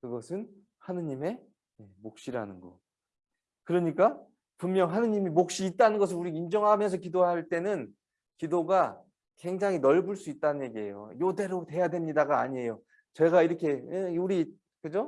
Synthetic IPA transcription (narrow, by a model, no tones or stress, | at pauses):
kɯɡʌsʰɯn | hanɯɲime̞ | jemok̚ɕ͈iɾa̰nɯnɡʌ̰ | kɯɾʌɲik͈a | pumːjʌŋɦanɯɲimimok̚ɕ͈iːt̚t͈anɯnɡʌs̬ʰɯɾuɾiind͡ʑʌŋɦamjʌns̬ʰʌkidowaɦaɭt͈e̞nɯn | kidoɡa | ke̞ŋd͡ʑaŋɦinʌɭbuɭs͈uit̚t͈anɯnje̞ɡie̞̰jo̰jode̞ɾote̞jadwe̞mɲidaɡaːɲie̞jo | t͡ɕe̞ɡaiɾʌkʰe̞euɾi | kɯd͡ʑo